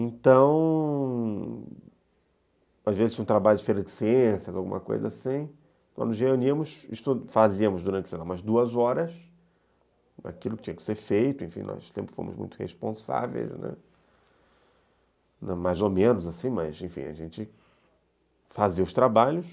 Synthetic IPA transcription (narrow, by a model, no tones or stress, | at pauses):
ẽnt̪ɐ̃w̃ | azvezɪzũt̪ɾabaʎjʊd͡ʒɪfejɾɐd͡ʒɪsiẽsjɐzawɡũmʔɐko̰jzɐasĩ | ɔ̰̃nʊzheuniɐmʊsist̪ʊfaziɐmʊzd̪uɾɐ̃nt͡ʃɪsenɐ̃mɐzd̪uɐzɔɾɐs | a̰kilʊkɪ̥t͡ʃĩɐ̃kɪ̥seɾfejt̪ʊẽfḭ̃nɔ̰ssḛ̃mpɾɪ̥fõ̰mʊ̰zmṵ̃j̃t̪ʊ̥hḛʃpõsa̰vḛjznɛ̰ | nɛmajzomẽnʊzasĩmɐzẽfḭ̃a̰ʒẽnt͡ʃɪ | faziɐʊst̪ɾabaʎʊs